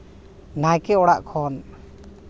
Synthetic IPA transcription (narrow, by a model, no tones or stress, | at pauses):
najkɛɔɽaʔkʰɔn